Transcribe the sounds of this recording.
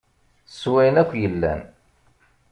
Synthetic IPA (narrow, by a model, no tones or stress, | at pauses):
swæjnækʷːjəlːæ̰n